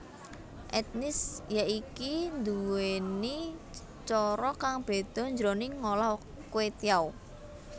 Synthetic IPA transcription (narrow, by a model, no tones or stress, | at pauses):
ʔɛt̪̚nɪsjaʔikind̪uweni | t͡ʃɔɾɔkaŋb̥e̤d̪̥ɔ̤ɲd͡ʒɾonɪŋolɔ | kwet̪jaw